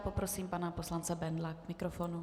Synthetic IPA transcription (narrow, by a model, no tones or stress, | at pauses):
popɾosiːmpanaposlant͡sɛbɛnd̪lakmɪkɾofonu